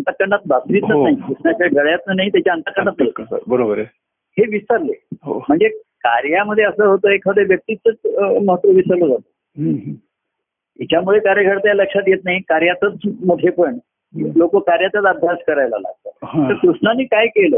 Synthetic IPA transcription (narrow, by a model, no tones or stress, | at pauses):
ənt̪əkːəɳat̪̚basʋit̪nanaɦikɾuʂɳat͡ɕjaɡəɭjat̪nənaɦit̪jat͡ɕjaənt̪əkːəɾɳat̪əɦət̪tːbəɾobəɾ | heʋisəɾleɦom̤əɳd͡zekaɾjaməd̪ʱːjeəsəːɦot̪oːekʰəd̪eʋjək̚t̪it͡sət͡sməɦət̪ʋəʋisəlod͡zat̪o̥ | it͡ɕamuɭekaɾjəkʰəɽt̪jaləkʂat̪jet̪̚naɦikaɾjat̪ət͡smuʈʰepəɳ | lokokaɾjat̪at͡s̪əbʱaskəɾajla̰la̰ɡ̚t̪a̰t̪əɾkɾuʂɳanːiːkajkeləː